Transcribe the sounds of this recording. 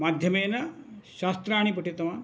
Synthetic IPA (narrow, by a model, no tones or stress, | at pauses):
maːd̪ʱjɐmeːnɐʃaːst̪ɾaːɳ̃ipɐʈit̪ɐman